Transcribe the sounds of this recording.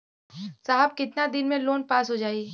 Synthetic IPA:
saːɦəb̚kɪt̪nad̪ɪnmẽloːnpaːsɦod͡ʒaːi

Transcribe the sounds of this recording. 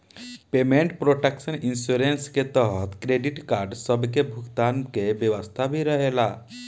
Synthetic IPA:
pemẽɳʈpɾoʈeksəninsuɾensket̪əɦət̪kɾeɖiʈkaːɾɖsəbkebʱʊkt̪ankebjəʋəst̪ʰabʱiɾəɦela

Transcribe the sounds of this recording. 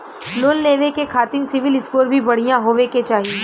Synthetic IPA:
loːnleːʋekekʰaːt̪ɪ̃ŋɡsɪʋɪlɪskoːɾbʱibɐɽ̤ijãɦoːʋeket͡ʃaːɦie

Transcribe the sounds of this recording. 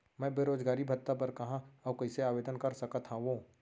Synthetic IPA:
mɛ̃ːbeːɾoːd͡ʒɡaːɾibʱɐt̪ːapɐɾkɐɦãɔbkoɪseaːʋeːd̪ənkɐɾsɐkət̪ʰɦãʋõː

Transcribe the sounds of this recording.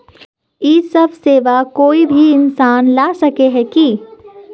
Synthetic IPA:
jiːsɐbʱseːʋakoːibʱiɪnsaːnlaːsɐkeɦɛki

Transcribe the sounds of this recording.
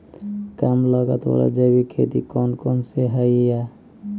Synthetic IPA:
kamlɔɡa̰t̪ɔ̰ɾa̰d͡ʒabikʰet̪ḭkɔnkɔnseɦajja

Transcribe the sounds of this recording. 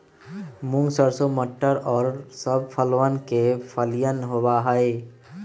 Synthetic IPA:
mʊ̃ŋɡsəɾsoməʈːəɾɔːɾsəb̚pʰəlwaːnkepʰəlijənɦobaɦəe

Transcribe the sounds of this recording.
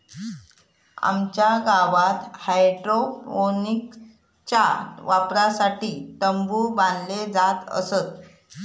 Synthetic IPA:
a̰mt͡ɕjaɡaʋat̪hajʈɾofonik | t͡ɕaʋapɾasaʈiːʈəmbuːband̪led͡zat̪ə̰sət̪

